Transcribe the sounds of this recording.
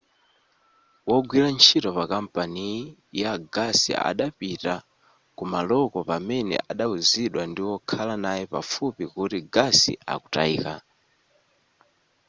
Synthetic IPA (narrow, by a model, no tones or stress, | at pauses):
wɔɡwilant͡ʃʰitɔpakam̩panijaɡasḭa̰ɗapita | kumalɔkɔpamɛnɛ̰ʔaɗauziɗwandiwɔkʰalanajɛpa̰fupikutiɡasḭʔa̰ku̥ta̰iːka̰